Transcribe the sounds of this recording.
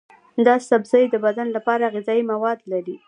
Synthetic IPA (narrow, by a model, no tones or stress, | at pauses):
d̪ɑsabzəjd̪əbad̪anlapɑɾaːɣɪzɑjimawɑd̪laɾi